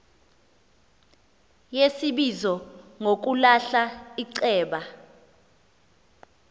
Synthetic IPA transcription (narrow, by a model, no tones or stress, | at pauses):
jesiɓizɔŋok̬ulaɬaiǀɛːɓa